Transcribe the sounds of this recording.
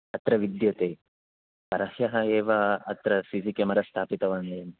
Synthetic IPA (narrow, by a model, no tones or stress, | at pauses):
ɐt̪ɾɐʋid̪jɐt̪eː | pɐɾɐhjɐɦɐeːʋɐɐt̪ɾɐsid͡ʒikɐmɐɾɐst̪ʰaːpit̪ɐʋaːneːm